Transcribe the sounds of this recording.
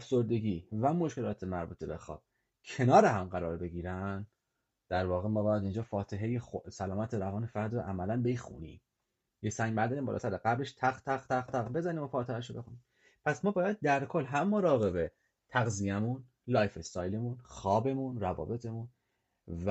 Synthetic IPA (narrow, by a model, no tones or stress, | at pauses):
fso̞ɾd̪e̞ɡiːvæmo̞ʃke̞lɒːt̪ʰemæɾbṵːt̪ʰebexɒ̰ːb̥̚ | cʰe̞nɒːɾeɦæmɢæɾɒːɾbe̞ɡiːɾæn | d̪̥æɾvɒːɣe̞mɒːbɒjæd̪ind͡ʒɒːfɒːt̪ʰe̞ɦe̞jexosælɒːmæt̪ʰeɾævɒːnefæɾd̪ro̰ʔæmælænbejxṵnḭːm | jesæŋɡmæɾd̪ænimbɒ̰ːlɒ̰ːt̪ʰæɾeɢæble̞ʃt̪ʰæχt̪ʰæxt̪ʰæχt̪ʰæɣbe̞zæniːmæfɒːt̪ʰehæʃobe̞xunim | pʰæsmɒːbɒːjæd̪̚d̪æɾkʰo̞lːɦæmːoɾɒːɣe̞be̞ | t̪ʰæɣziæmun | lɒːjfe̞st̪ɒːjle̞munxɒːbe̞munrævɒ̰ːbe̞t̪ʰe̞mun | v